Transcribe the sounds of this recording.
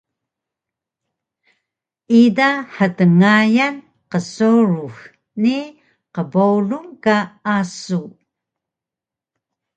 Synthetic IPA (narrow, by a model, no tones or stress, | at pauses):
idaħədəŋajan | qəsoɾux | ni | qəbowluŋkaasu